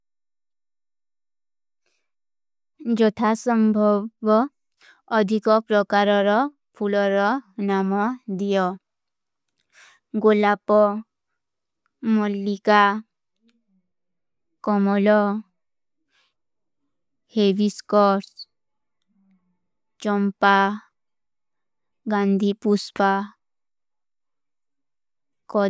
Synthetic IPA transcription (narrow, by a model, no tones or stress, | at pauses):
d͡ʒɔt̪ʰasɔmbʱɔbɔː | d̪ʱikɔpɾɔkaɾɔɾɔ | pʰulɔɾɔnamɔd̪ijɔ | ɡolapɔ | mɔlːika | kɔmɔlɔ | hebiskɔɾs | t͡ʃɔmpa | ɡand̪ʱipuspa | kɔ